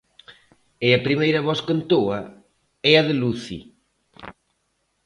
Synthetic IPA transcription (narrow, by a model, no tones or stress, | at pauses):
ɪɐpɾimejɾɐβɔskent̪oɐ | ɛɐðɪluθḭ